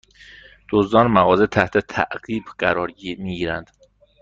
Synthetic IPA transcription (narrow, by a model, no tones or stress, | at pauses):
d̪̥ozd̪ɒːnmæɣɒːzet̪ʰæht̪ʰet̪ʰæ̰ʔɢ̥iːbɢæɾɒːɾmiɟiːɾænd̪̥